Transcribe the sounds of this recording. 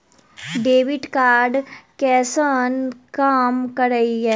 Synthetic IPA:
ɖeːʋɪʈkaːɾɖkɛːsənkaːmkɐɾəiɦɛː

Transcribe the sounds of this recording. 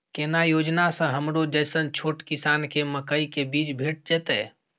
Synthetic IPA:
kɛːnajoːd͡ʒnasə̃ɦəmɾod͡ʒəːsənt͡ʃʰoːʈkɪsaːnkeməkaikebiːt͡ʃbʱeːʈ̚d͡ʒɛːt̪ɛ̰

